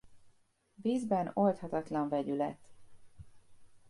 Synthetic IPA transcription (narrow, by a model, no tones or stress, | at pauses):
viːzbɛno̞lt̪hɒt̪ɒt̪lɒɱvɛɟylɛ̰t̪ː